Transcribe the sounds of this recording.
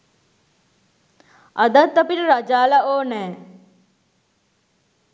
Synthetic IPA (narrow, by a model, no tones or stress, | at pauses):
ad̪at̪ːapiʈəɾad͡ʒaːlaoːnɛː